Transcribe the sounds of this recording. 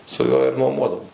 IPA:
sʊ ˈjuɔ ɪr nuɔˈmuɔdɐʋoːm

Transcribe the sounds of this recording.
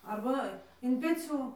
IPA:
ɐrˈbɐ ɪn pʲɛˈt͡sʲuː

